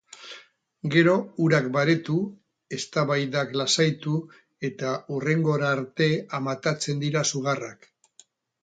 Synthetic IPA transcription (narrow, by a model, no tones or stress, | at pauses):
ɡe̞ɾo̞uɾakbaɾe̞t̪u | e̞st̪aβajd̪aklasajt̪u | e̞t̪aure̞ŋɡo̞ɾaɾt̪e̞amat̪at͡se̞nd̪iɾasuɣ̞arak